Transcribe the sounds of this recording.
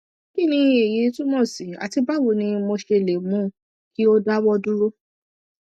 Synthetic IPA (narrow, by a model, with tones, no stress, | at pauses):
ki˦˨nĩ˧e˨je˨˦tũ˦mɔ̃˦˨si˨˦a̰˨ti˧ba˦˨wo˨nĩ˧mo˧ʃe˧˨le˨mũ˨˦ | ki˦o˦da˦wɔ˦dũ˦ɾo˦